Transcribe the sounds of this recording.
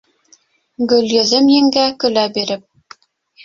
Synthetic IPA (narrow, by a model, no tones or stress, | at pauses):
ɡɵ̆ljɵ̆ðɘmjɘ̆ŋɡækɵ̆læbiɾɘp̚